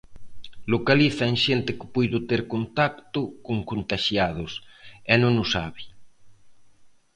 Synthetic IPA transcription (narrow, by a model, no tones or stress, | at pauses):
lokaliθaeŋʃent̪ɪkɪ̥pujðʊt̪eɾkont̪akt̪ʊkoŋkont̪aʃjað̞ʊsɛnõŋʊsa̰βi